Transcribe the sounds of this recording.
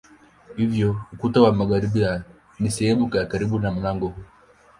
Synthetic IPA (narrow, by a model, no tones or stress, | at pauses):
hivjɔukutawamaɣaɾibia | nisɛhɛmukaakaɾiɓunam̩laŋɡɔ